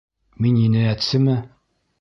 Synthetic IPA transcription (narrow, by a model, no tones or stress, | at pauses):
mininɘæt̪sɘmɘ